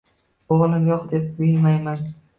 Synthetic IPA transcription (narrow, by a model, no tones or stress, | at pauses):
oʁlˠɪmjɒqd̪e̞p̚bʊjɪnmajman